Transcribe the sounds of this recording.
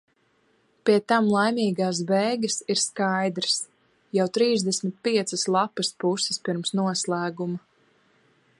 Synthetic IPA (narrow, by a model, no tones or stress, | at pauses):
piɛt̪amlˠajmʲiːɡaːs̬bɛːɡɐsiɾskajd̪ɾɨs | jawt̪ɾiːzd̪ɛsʲmit̪̚piɛt̪sɐslˠapɐspusɪ̥spiɾmsnuɔslˠæːɡumɐ